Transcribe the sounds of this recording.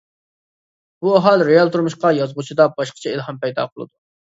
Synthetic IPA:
b̥uæɦɑlˠɾejɑlˠt̪ʰuɾmuʃqɑjɑzʁut͡ʃʰid̪ɑbɑʃqʰɑ̥t͡ʃʰɛilˠhɑmpɛjd̪ɑ̰qʰəlˠɨ̰d̪u

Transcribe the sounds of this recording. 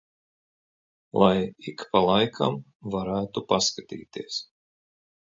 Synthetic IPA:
lˠʔajikpalˠajkʰa̰m | vaɾæːt̪upaskat̪ḭːt̪iəs

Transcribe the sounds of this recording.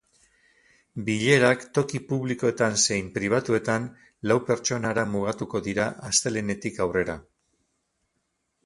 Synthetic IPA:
biʎe̞ɾakt̪o̞kipuβliko̞e̞t̪anse̞jmpɾiβ̞at̪ue̞t̪an | lawpe̞ɾt͡ʃo̞naɾamuɣ̞at̪uko̞ðiɾaʔast̪e̞le̞ne̞t̪ikawre̞ɾa

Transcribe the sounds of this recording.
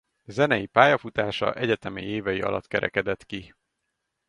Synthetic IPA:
zɛnɛjipaːjɒfut̪aːʃɒ̰ʔɛɟɛt̪ɛmɛjeːvɛjiɒ̰lɒ̰t̪kɛɾʔɛ̰kɛd̪ɛt̪ki

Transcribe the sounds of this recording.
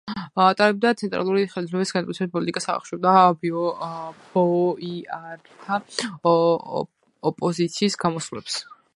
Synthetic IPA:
t̪ʼaɾɛb̚d̪at̪sʰɛnt̪ʼɾa̰lˠuɾiχɛld̪zvlɛbisɡ̥ant̪ʼitsʰɛbit̪̚pʼɔlit̪ʼikʼasaʁa̰χʃɛd̪abiɔb̥ɔiaɾt̪ʰa | ɔpʼɔzit̪sʰiːsɡamɔsvlɛ̰ps

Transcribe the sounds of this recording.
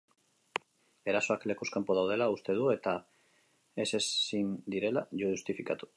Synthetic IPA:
e̞ɾaso̞akle̞kuskampoð̞awð̞e̞laust̪e̞ð̞ue̞t̪a | e̞se̞sind̪iɾe̞laʝuust̪ifikat̪u̥

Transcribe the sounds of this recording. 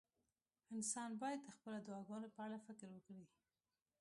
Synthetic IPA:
ɪnsɑnbɑjad̪ːəxpəlad̪ʊwɑɡɑnopəaɽafɪkɾwəkɽi

